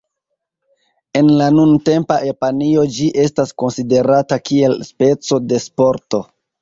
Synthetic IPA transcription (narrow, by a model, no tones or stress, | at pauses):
e̞nlanunte̞mpaʔepanio̞d͡ʒiʔe̞stasko̞nside̞ɾatakie̞lspe̞t͡so̞de̞spo̞ɾto̞